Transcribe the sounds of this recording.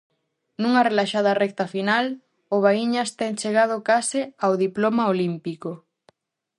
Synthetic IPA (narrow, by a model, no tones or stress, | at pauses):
nũŋɐrelaʃað̞ɐrɛk̚t̪ɐfinal | ʊβaiɲɐst̪ɛŋt͡ʃeɣ̞að̞ʊkasɪawðiplomaolimpiko